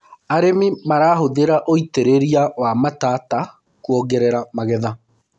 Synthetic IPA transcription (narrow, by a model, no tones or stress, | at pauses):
aɾemimaɾaːɦoðeɾaʔoiteɾeɾiawamataːta | kuɔɡɛɾɛɾamaɣɛða